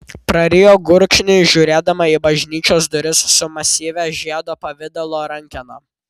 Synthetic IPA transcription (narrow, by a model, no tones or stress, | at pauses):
pɾɐɾʲɪjoːɡʊɾkʃʲnʲɪʒʲuːɾʲeːd̪ɐmɐibɐʒʲnʲiːt͡ʃʲoːsd̪ʊɾʲɪssʊmɐsʲiːʋʲæʒʲæːd̪oːpɐʋʲɪd̪ɐlˠoːɾɐŋʲkʲɛnoː